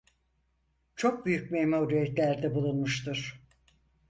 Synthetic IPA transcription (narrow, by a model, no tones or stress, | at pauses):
t͡ʃʰo̞k̚byjycmejmauɾyjɛt̪lʲæɾd̪ɛbulˠunmuʃt̪uɾ̥